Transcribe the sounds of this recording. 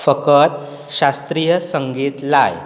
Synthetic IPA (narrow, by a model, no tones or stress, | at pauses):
fəkət̪̚ | ɕast̪ɾijəsəŋɡiːt̪laj